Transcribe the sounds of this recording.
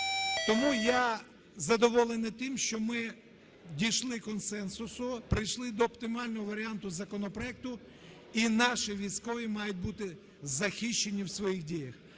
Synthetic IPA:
t̪ɔmuja | zɐd̪ɔʋɔlˠenɪt̪ɪmʃt͡ʃɔmɪ | dʲijʃlˠɪkɔnsɛnsʊsʊpɾɪjʃlˠɪd̪ɔːpt̪ɪmɑlʲnɔɦɔʋɐɾʲiɑnt̪ʊzɐkɔnɔpɾɔɛk̚t̪ʊ | inɑʃiʋʲijsʲkɔʋʲimɑjʊt̚ʲbut̪ɪ | zɐxiʃt͡ʃːenʲiwsʋɔjixdʲijɐx

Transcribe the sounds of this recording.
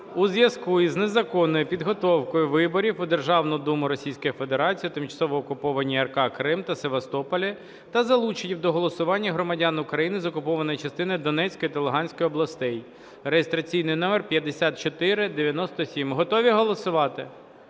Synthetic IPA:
uzjɐskuiznezɐkɔnːɔjʊpʲid̪ɦɔt̪ɔwkɔjʊʋɪbɔɾʲifʊd̪erʒɑwnɔd̪umʊɾɔsʲijsʲkɔjife̞d̪eɾɑt͡sʲijit̪ɪmt͡ʃɐ̥sɔʋɔːkʊpɔʋɐnʲːiɐrkɑkɾɪmt̪ɐseʋɐst̪ɔpɔlʲi | t̪ɐzɐlˠut͡ʃenʲiwd̪ɔɦɔlˠɔsʊʋɑnʲːɐɦɾɔmɐdʲanʊkɾɐjinɪzɔkʊpɔʋɐnɔjit͡ʃɐst̪ɪnɔjd̪ɔnɛt͡sʲkɔjit̪ɐlˠeɦɑnʲsʲkɔjɔblˠɐst̪ɛj | rejest̪ɾɐt͡sʲijnɪjnɔmerpʲjɐd̪esʲat̪̚t͡ʃɔt̪ɪɾɪd̪eʋʲjɐnɔst̪ɔsʲimɦɔt̪ɔʋʲiɦɔlˠɔsʊʋɑt̪ɪ

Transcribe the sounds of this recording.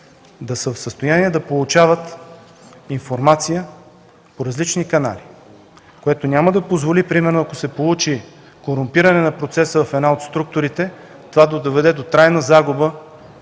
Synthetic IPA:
d̪ɐsəfsəst̪ojaniɛd̪ɐpolˠut͡ʃavət̪ | infoɾmat̪sijə | poɾɐzlit͡ʃnikɐna̰li | koɛt̪onʲaməd̪ɐpozvolipɾimɛɾnoɐkosɛpolˠut͡ʃi | koɾʊmpiɾɐnɛnɐpɾot̪sɛsəvɐfɛd̪naot̪st̪ɾuk̚t̪ʊɾit̪ɛ | t̪ovad̪od̪ovɛd̪ɛd̪ot̪ɾajnəzaɡʊbə

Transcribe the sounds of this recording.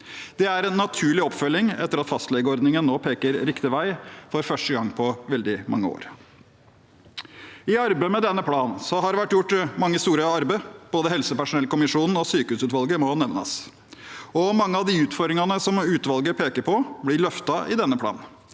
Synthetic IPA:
d̪̥ɛæɾɛnːɑt̪ʰʉːɭɪɔpfœlːɪŋɛ̰t̪ːəɾɑt̪fɑst̪lɛɡəɔɾd̪nɪŋənnoːpʰeːkəɾɾɪkt̪ɪʋæɪfɔɾfœʂʈəɡɑŋpʰɔʋɛld̪ɪmʔɑ̰ŋːəo̰ːɾ | ɪɑɾbəɪmɛd̪ɛnːəpʰlɑːnsɔɦɑɾʋæʈːjʊʈːmɑŋːəst̪uːɾəɑɾbəb̥oːd̪əhɛlsəpæʂʊnɛlkʊmɪʂuːnn̩ɔsyːkəʉːsʉːt̪ʋɑlɡəmɔnɛʋnɑ̰s | ɔmɑŋːəɑʋd̪ɪʉːt̪fɔɾɾɪŋɑnəsɔmʉːt̪ʋɑlɡəpʰeːkəɾpʰɔblɪɭœft̪ɑʔɪ̰d̪ɛnːəpʰlɑ̰ːn

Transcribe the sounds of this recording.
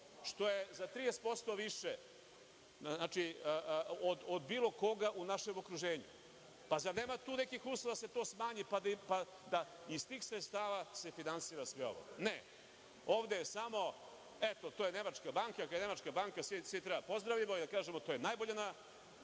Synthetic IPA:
ʂt̪o̞jezat̪ɾijespo̞st̪o̞ʋiʃe | znaːt͡ʃi | od̪od̪biːlˠo̞ko̞ɡaʔunaʃe̞mo̞kɾuʒe̞ːɲṵ | pazaɾne̞ːmat̪uːne̞kixuːslˠoʋad̪ase̞t̪o̞ːsmaːɲipad̪pa | d̪a | ist̪iːxsɾet̪st̪aːʋase̞finansiːɾasʋeo̞̰ʋo̰ɡne | oːʋd̪ejesamo̞ | et̪ot̪ojene̞mat͡ʃkabaːŋkakaene̞mat͡ʃkabaŋkasisit̪ɾebapo̞zd̪ɾaʋimoid̪akaːʒemot̪ojenajboʎana

